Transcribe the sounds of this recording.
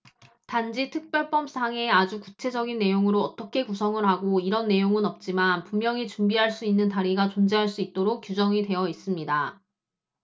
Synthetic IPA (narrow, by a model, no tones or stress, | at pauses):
tand͡ʑitʰɯk̚p͈jʌɭp͈ʌmsʰaŋe̞ad͡ʑukut͡ɕʰe̞d͡ʑʌɡinːe̞joŋɯɾoʌt͈ʌkʰe̞kusʰʌŋɯɭɦaɡoiɾʌnːe̞joŋɯnʌp̚t͡ɕ͈imanpummjʌŋit͡ɕumbiɦaɭs͈uinːɯntaɾiɡat͡ɕond͡ʑeɦaɭs͈uit̚t͈oɾok̚k͈jud͡ʑʌŋide̞jʌis͈ɯmɲida